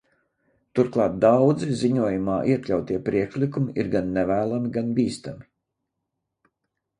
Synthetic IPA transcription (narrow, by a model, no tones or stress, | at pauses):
t̪uɾklˠɑːt̪̚d̪awd̪ziziɲuɔjumaːʔiɛklʲawt̪iɛpɾiɛkʃlikumiʔḭɾɡanːɛvæːlˠamiɡanbʲiːst̪ami